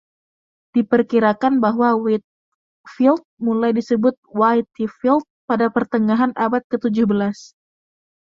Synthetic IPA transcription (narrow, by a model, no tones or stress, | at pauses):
d̥ipərkiɾakanbaɦwawit̪̚ | filt̪̚mulajdisəbʊt̪̚wajt̪ifilt̪̚padapərt̪əŋaɦanʔabat̪̚kət̪ud͡ʒʊhbəlas